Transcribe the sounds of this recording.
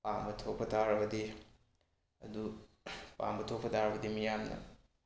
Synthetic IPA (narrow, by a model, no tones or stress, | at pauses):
pambɐtʰok̚pʰɐtʰaɾɐbɐdi | ɐ̰du | pa̰mbɐtʰokpʰɐtʰaɾɐbɐdimijamnɐ̰